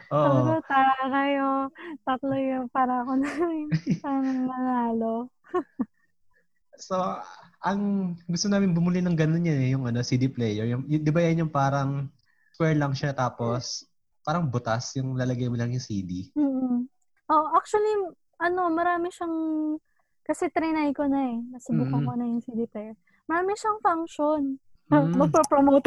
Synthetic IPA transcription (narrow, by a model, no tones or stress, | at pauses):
ʔoːʔɐʔolot̪akɐjot̪ɐt̪lojopaːɾɐɐkonaɪpanɐŋmɐŋaːlo | soʔɐŋɡʊst̪onaːmɪnbʊmʊlɪnɐŋɡɐnonjɐnɛjʊŋʔɐno̞sid̪iplɛjɛɹjʊŋjʊŋd̪ɪbajanjʊŋpaːɾɐŋ | skwɛɹlɐŋʃat̪aːpo̞s | paːɾɐŋbʊt̪asjʊŋlaːlɐɡɐjmolɐŋjʊŋsiːd̪im̩ːʔ̩ | ʔoʔak̚t͡ʃuɐli | ɐno̞mɐɾaːmɪʃaŋ | kɐsɛt̪ɾɛnajkonɐɛnɐsʊbuːkɐkonɐjʊŋsid̪iplɛjɛɹ | mɐɾaːmɪʃaŋfaŋkʃon | ɐmɐɡ̚pɐpɾomowt̪